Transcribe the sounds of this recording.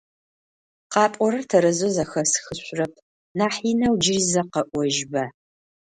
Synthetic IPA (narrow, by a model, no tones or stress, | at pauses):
qɑːpʼɔɾɐrtʰɐɾɐzozɐxɐsxɨɕʷrɐpʰ | naːħiːnɐwd͡ʒɪrizɐqɐʔʷɔʒbɐ